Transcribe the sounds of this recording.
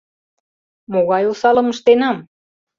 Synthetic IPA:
moɣɑjolsɑlɤ̆məʃt̪enɑm

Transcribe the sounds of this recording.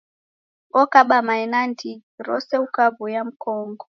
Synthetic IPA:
ɔkaɓamaɛnandʰiɾɔ̰sɛukaβujam̩kɔŋɡɔ

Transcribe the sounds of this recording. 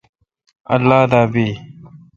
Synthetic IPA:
ɐ̰lːaːd̪aːbiː

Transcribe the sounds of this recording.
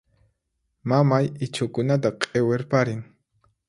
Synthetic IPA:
mamajɪt͡ʃʊkʊnat̪̬aqʼeweɾpaɾɪŋ

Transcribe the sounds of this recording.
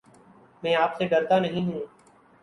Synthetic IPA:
mɛ̃ːaːpseɖəɾt̪anəɦĩɦũː

